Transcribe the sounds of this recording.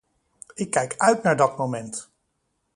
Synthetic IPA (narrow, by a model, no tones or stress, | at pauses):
ɪkːɛjkœɥtnaːɹdɑt̚mowmɛnt